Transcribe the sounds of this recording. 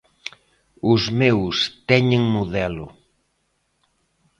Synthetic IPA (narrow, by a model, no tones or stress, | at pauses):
ʊzmewst̪ɛɲeŋmoðɛlʊ